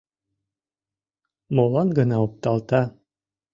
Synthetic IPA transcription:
molˠɑŋɡɤ̆nɑup̚t̪ɑlˠt̪ɑ

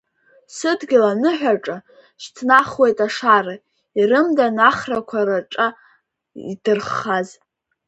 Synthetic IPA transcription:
sɨdɡʲɪlanɨħᶣaʈ͡ʂʼa | ʃtʰnaχwe̞jtʼaʂara | irɨmdanaχrakʷʰaɾaʈ͡ʂʼa | ḭdɨrχaz

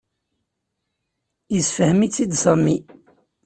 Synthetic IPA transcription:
isfəhmit͡sːid̪sæmːi

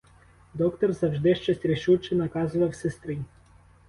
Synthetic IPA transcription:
d̪ɔkt̪ɔrzɐwʒd̪ɪʃt͡ʃɐsʲtʲɾʲɪʃuwt͡ʃɪnɐkɑzʊʋɐwsest̪ɾɪ

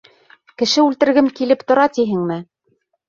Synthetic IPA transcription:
kɘ̆ʃɘʉlt̪ɘ̆ɾɡɘmkilɘpt̪ŏɾɑt̪iɦɘ̆ŋmɘ

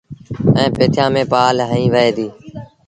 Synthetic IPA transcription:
ɛ̃ːpeːt̪ʰjãːmẽːpaːlɦəĩːʋəeːd̪iː

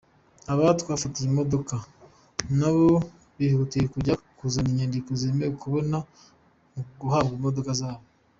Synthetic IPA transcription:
aβattwaːfatijimo̞do̞ka | naβo | βihuutijekuɾɟakuzaniɲandikuzemekuβo̞na | muɡuhabɡimo̞do̞kazaːβo

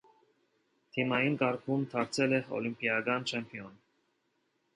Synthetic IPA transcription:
t̪ʰimɑjinkɑɾkʰumt̪ʰɑɾt͡sʰɛlɛɔ̰limpijɑkɑnt͡ʃʰɛmpʰiɔn

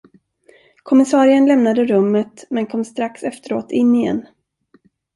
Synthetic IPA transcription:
kʰɔmɪsɑːɾɪənlɛmnad̪əɾɵmːət̪mɛnkʰɔmːst̪ɾaksɛft̪əɾo̰ːt̪ʰɪnːɪjɛ̰nː

